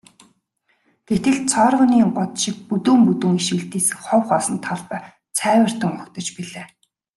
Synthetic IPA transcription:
ɡ̥et̪ɘ̆ɮt͡sʰɔrʁə̆niːŋɢʊt̪ʃɪ̆k̚put̪uːmput̪uːŋiʃɘ̆ɮt̪eːsɘ̆χɔwχɔsɞ̆nt̪ʰɔɮp̆ː | t͡sʰæːwə̆r̥t̪ə̆ŋʊkt̪ɞ̆t͡ɕpiɮaː

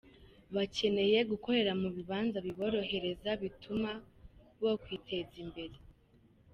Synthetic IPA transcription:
βace̞ne̞je̞ɡuko̞ɾe̞ɾamuβiβaːnzaβiβo̞ɾo̞ɦe̞ɾe̞zaβitʰuma | bɡo̞kwiːtʰe̞zimbe̞ɾe

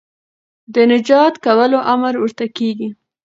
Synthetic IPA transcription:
d̪ənɪd͡ʒɑt̪kawəloʔamɾwəɾt̪akeɡi

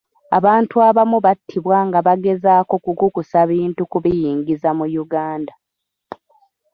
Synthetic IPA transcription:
a̰βaːntuaβamuβatʰːiβwaŋɡaβaɡe̞zaːko̞kuɡukusaβiːntukuβijiːŋɡizamujuɡaːnda

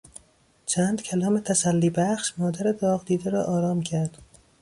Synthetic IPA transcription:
t͡ʃʰænd̪cʰælɒːmet̪ʰæsælːiːbæχʃmɒːd̪æɾed̪ɒːɣd̪iːd̪eɾɒːʔɒːɾɒːmcʰæɾd̪̥

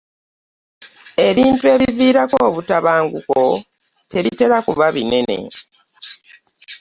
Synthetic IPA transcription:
e̞βiːntue̞βiviːɾako̞ːβutaβaːŋɡuko̞te̞βite̞ɾakuβaβine̞ne̞̰

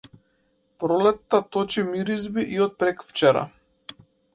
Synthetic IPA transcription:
pɾɔlɛt̪ːat̪ɔt͡ʃimiɾizbiʔiɔt̪̚pɾɛkft͡ʃɛɾa̰

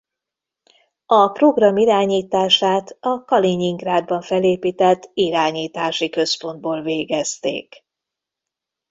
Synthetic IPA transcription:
ɒpro̞ɡrɒmiɾaːɲiːt̪aːʃaːt̪ɒkɒliɲiŋɡraːd̪̚bɒɱfɛleːpiːt̪ɛt̪ːiɾaːɲiːt̪aːʃikø̞spo̞nd̪̚boːlveːɡɛst̪ḛːk

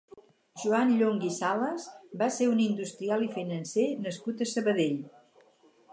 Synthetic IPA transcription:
ʒuanʎoŋɡisaləzbaseunind̪ust̪ɾialˠifinənsenəskut̪əsəβəðeʎ

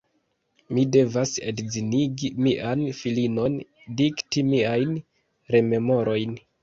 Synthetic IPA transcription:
mide̞vasḛdziniɡimiʔanfilino̞n | diktimiajn | ɾe̞me̞mo̞ɾʔo̞jn

